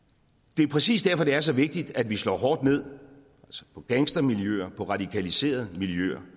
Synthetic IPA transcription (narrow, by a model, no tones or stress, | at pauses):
d̥e̝æɐpʰʁɛsḭːsd̥æɐfɒ̽d̥e̝æɐsɒ̽ʋe̝ɡ̥̚d̥id̥ædʋislɒ̰ːɦɒ̰ːd̥ne̝ð̞̰ˠ | ælsə̥pʰɒ̽ɡ̥æŋsd̥ɐmiljø̰ɐpʰɒ̽ʁɑ̈d̥ikʰælise̝̰ːɐð̞̩ˠmiljø̰ɐ